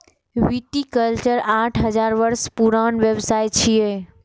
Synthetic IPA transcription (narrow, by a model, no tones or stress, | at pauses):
ʋit̪ikəlt͡ɕəɾaːʈʰɦɐzaːɾʋəɾspuɾaːnʋjəʋsaːjt͡ɕʰije